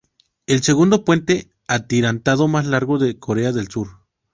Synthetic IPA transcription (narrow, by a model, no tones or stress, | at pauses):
elseɣund̪opwent̪e | at̪iɾant̪aðomaslaɾɣoðekʰoɾeaðelsuɾ